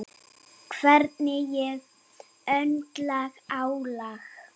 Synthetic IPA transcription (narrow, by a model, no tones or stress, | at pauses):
kʰvɛɾt̪nɪjɛɣ | œnt̪laɣawlax